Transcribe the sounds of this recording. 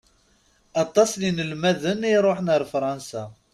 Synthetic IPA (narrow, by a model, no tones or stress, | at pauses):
ɑt̪ˤːɑslinəlmæðəniɾˤoħnəɾˤfɾˤɑnsæ